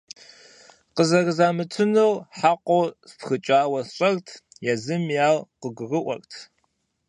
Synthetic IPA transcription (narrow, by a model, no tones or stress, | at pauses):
qəzɐrɨzaːmɨtʰɨnɨwħaqʷʼowspxɨt͡ʃʼaːwɐɕʼɐrtʰjazɨmjaːwqəɡʷʊrɨʔʷɔ̰rtʰ